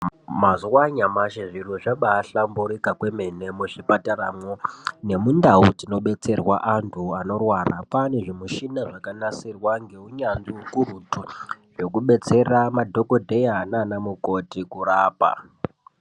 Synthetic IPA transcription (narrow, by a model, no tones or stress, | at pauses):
mazuwaɲamaʃiʐiruʐaɓaːɬambuɾikakwe̞me̞ne̞muʐipataɾamone̞mundautino̞ɓe̞t͡se̞rwaʔantʰuano̞rwara̰paneʐemuʃinaʐakanasirwaŋɡe̞uɲanʐiukuɾutuʐe̞kuɓe̞t͡se̞ramadʱo̞kodʱejaːnanamuko̞tikuraːpa̰